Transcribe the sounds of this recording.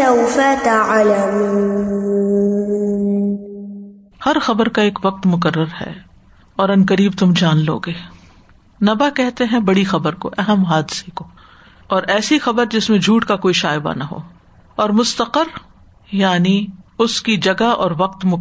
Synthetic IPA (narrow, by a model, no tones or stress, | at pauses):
awfat̪aʕalamuu | hɐɾxɐbəɾkaeːkʋɐq̚t̪mʊk̬əɾːəɾɦɛ̰ː | ɔːɾɐnkəɾiːb̚t̪ʊmd͡ʒaːnlo̰ːɡeː | nɐbakɛɦt̪eɦɛ̃bɐɽixɐbəɾko̰ʔɛɦəmɦaːd̪ɪseko | ɔːɾɛːsixɐbəɾd͡ʒɪsmẽd͡ʒʱuːʈkakoːiʃaːɪba̰naɦo̰ː | ɔːɾmʊst̪əqəɾ | jaːniʊskid͡ʒɐɡaʔɔːɾʋɐq̚t̪mʊ